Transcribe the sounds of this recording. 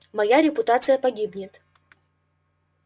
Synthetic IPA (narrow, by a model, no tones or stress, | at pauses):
mɐjaɾʲɪpʊt̪at̪sɨjəpɐɡʲibnʲɪt̪